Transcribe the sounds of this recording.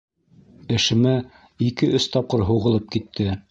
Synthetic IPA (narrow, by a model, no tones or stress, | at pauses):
ɘ̆ʃɘ̆mæ | ikɘʔɵst̪ɑp̚qɤɾɦuʁɤ̆lˠɤp̚kit̪ʰːɘ